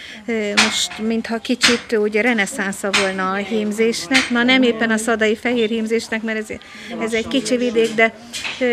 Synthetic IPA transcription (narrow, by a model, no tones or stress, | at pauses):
mo̞ʃt̪mint̪hɒkit͡ʃit̪uːɟɾɛnɛsansɒvolnɒːɦiːmzeːʃnɛknɒnɛmeːpːɛnɒsɒd̪ɒjifɛɦeːrhiːmzeːʃnɛkmɛɾɛz | ɛzɛɟkit͡ʃivid̪eːɡd̪ɛ